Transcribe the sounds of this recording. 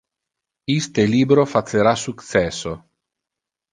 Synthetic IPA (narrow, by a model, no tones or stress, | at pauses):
ist̪eliːbɾofat̪seɾasukt̪sɛso